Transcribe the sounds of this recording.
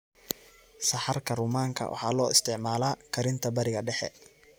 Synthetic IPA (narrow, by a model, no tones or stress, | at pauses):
sɐħɐrkʰɐrʊmaːŋkʰɐ̰wʔɑ̰ħɑ̰ːlɔːɪ̰st̪ʰɪʕmaːlaːkʰɐɾɪnt̪ʰɐbɐɾɪɣɐɖɛħɛ̰